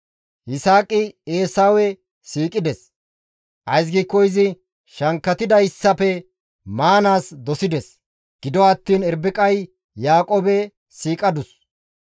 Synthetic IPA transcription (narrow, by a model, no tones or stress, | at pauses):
ʔɪsaːkʼɪeːsaːwɛ | siːkʼɪd̪ɛs | ʔɐjs̬ɡikːɔɪzɪ | ʃɐŋkːɐt̪ɪd̪ɐjɪsːɐpɛ | maːnaːsd̪ɔsɪd̪ɛs | ɡ̥ɪd̪ɔɐt̪ːiːnɛɾbɪkʼɐj | jaːkʼoːbɛ | siːkʼɐd̪ʊs